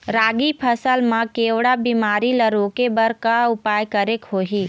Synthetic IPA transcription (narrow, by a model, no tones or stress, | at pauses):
ɾaːɡipʰəsəlmãkeːʋɽabiːmaːɾiləɾoːkebəɾkaʊpaːjkəɾekɦoːɦiː